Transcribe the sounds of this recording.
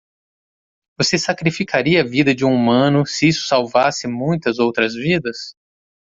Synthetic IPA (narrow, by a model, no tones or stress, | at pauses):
vosesakɾifikaɾiɐːvid̪ɐd͡ʒɪũumɐ̃nʊsɪisʊ̥sawvasɪmũj̃t̪ɐzowt̪ɾɐzvid̪ɐs